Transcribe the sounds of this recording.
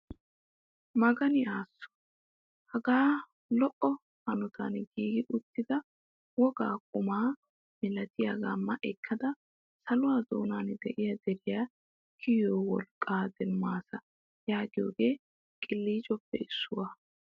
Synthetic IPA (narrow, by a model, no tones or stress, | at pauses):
mɐɡɐnɪaːsːɔ̥ | hɐɡaː | lɔʔɔ | hɐnʊt̪ʰɐ̰nɡiːɡɪʔʊt̪ːɪd̪ɐ | wɔɡa̰ːkʼʊmaː | mɪlɐt̪ɪjaɡaːmɐʔɛkʰːɐd̪ɐ | sɐlʊwaːzo̰ːnand̪ɛʔɪjɐd̪ɛɾɪjaː | kʰɪjoːwɔlkʼːaːd̪ɛmːaːsɐ | jaːɡɪjo̰ːɡeː | kʼɪlːiːd͡ʒɔpːɛɪsːʊwaː